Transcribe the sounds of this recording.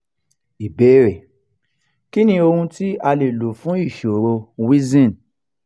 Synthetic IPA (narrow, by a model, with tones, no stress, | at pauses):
i˨beː˨˦ɾe˨ | ki˦nĩ˧o˧hũ˧ti˦a˧le˨lo˨fũ˨˦i˦˨ʃo˨ɾo˧wi˦zĩ˦˨n˨